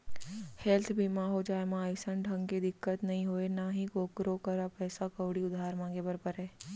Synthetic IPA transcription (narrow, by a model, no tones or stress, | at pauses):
hɛlt̪ʰbʱimãɦod͡ʒaːemãəɪsənɖʱə̃ŋked̪ɪkːət̪nɐɦĩɦoːenaɦĩkoːkɾokəɾapɛːsakəʋɽiʊd̪ʱaːɾmãːŋɡebəɾpəɾɦɛː